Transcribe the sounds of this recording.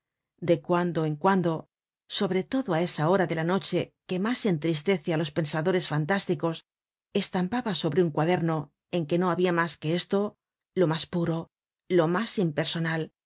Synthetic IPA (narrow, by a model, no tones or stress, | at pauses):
d̪e̞kwand̪oeŋkwand̪o̞ | so̞βɾe̞t̪o̞ðoae̞sao̞ɾaðe̞lano̞t͡ʃe̞ke̞mase̞nt̪ɾist̪e̞θjalo̞spe̞nsaðo̞ɾe̞sfant̪ast̪iko̞s | e̞st̪ampaβaso̞βɾeuŋkwaðe̞ɾno̞ | e̞ŋke̞no̞aβiamaske̞est̪o̞ | lo̞maspuɾo̞ | lo̞masimpe̞ɾso̞nal